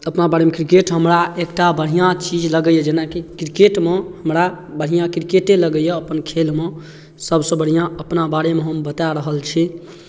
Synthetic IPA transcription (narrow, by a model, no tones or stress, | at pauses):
əpnabaɽemekɾikeʈɦəmɾaekʈabəɽ̤ijãt͡ʃid͡ʒləɡəjəd͡ʒenakikɾikeʈmehəmɾabəɽ̤ijãkɾikeʈeləɡəjəːpənkʰelme | səbsə̃bəɽ̤ijãəpnabaɽemeɦəmbət̪aɾəɦəlt͡ʃʰi